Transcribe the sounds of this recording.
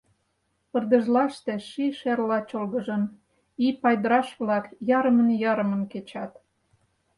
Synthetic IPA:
pə̆rd̪ə̆ʒlɑʃt̪eʃiʃerlɑt͡ɕolɣə̆ʒən | ipɑjd̪əɾɑʃβlɑkjɑɾəmənjɑɾə̆mə̆nket͡ɕɑt̪

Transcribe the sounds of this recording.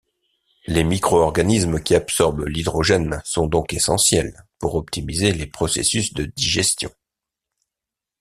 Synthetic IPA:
lemikχoːʁɡanisməkʲiapsɔʁblid̪ʁɔʒɛnsɔ̃d̪ɔ̃kesɑ̰̃sjɛlpuʁɔp̚t̪ʰimizelepχɔsḛsysd̪əd̪iʒɛst̪jɔ̰̃

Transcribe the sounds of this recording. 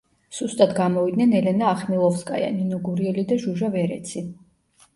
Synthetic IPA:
sust̪ʼad̪ɡamɔvid̪nɛnɛlɛnaːχmilˠɔfskʼaja̰ninɔɡuɾiɛlid̪aʒuʒavɛɾɛt̪sʰi

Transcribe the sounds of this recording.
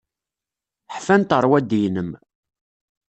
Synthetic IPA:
ħfænt̪əɾˤwæd̪ijnəm

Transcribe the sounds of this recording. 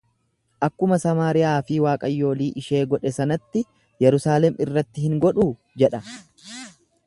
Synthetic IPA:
ʔɐkːʊmɐsɐmaːɾɪjaːfiːwaːkʼɐjːo̞ːliːʔɪʃe̞ːɡɔᶑɛsɐnɐt̪ːɪ | jɛɾʊsaːlɛmɪrːɐt̪ːɪhɪŋɡɔᶑuː | d͡ʒɛᶑɐ

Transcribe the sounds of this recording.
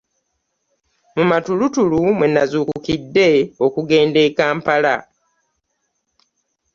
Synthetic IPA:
mumatulutulumwe̞nːazukukidːe̞o̞kuɡe̞ːnde̞kaːmpala

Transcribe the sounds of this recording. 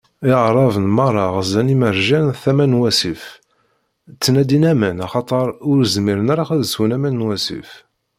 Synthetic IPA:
ɪʁɾˤɑvənmɑrˤɑʁzæniməɾʒænθæmænwæsif | t͡sːnæd̪inæmænɑχɑt̪ˤəɾˤʊɾzmiɾənæɾˤɑχæðəswənæmænːwæsḭf

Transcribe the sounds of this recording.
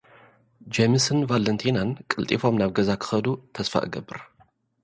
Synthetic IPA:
d͡ʒemɨsɨnvalːɨnt̪ʰinankʼɨlt̪ʼḭfo̞mnaβɡɐzakʰɨ̥xɐd̪ut̪ʰɐsfa̰ʔɨ̰ɡɐbːɨɾ

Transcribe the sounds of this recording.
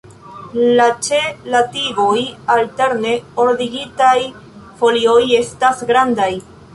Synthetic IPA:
lat͡ʃe̞lativo̞jalte̞ɾne̞oɾdiɡitaj | fo̞lio̞je̞stasɡɾandaj

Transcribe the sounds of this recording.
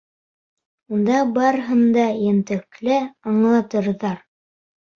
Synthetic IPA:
und̪ɑbɑɾɦɤnd̪ɑjɘ̆nt̪ɘ̆klɘɑɴlˠɑt̪ɤ̆ɾðɑɾ

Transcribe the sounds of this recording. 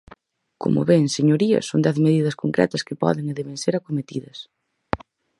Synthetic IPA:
ko̰mʊ̰βeseɲoɾiɐ̰sond̪ɛθmeðiðɐskoŋkɾɛ̰t̪ɐskɪpɔ̰ðeŋeðɛβeŋseɾakomet̪iðɐs

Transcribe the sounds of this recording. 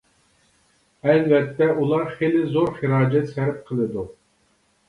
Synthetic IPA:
ɛlvɛt̪ːɛʔulˠɑɾχejlɪzoɾχɨɾɑːd͡ʒɛt̪sɛɾɪp̚qʰəlˠɨd̪u

